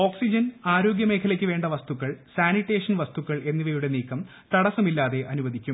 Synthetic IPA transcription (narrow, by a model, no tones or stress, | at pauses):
o̞ːksid͡ʑɐnaːɾo̞ːɡjɐme̞ːkʰɐlɐkʲːɨʋe̞ːɳɖɐʋɐst̪ukːɐɭsaːniʈːe̞ːʂɐnʋɐst̪ukːɐɭe̞nːiʋɐjuɽe̞niːkːɐm | t̪ɐɽɐsɐmilːaːðe̞ʔɐnuʋɐd̪ikʲːum